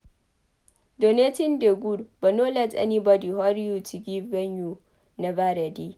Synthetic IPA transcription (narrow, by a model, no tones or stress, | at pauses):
donetɪndeɡudbɐnolat͡sʼɐ̰nibadihɔɾjut͡ʃiɡʲibɛɲju | nabaɾadi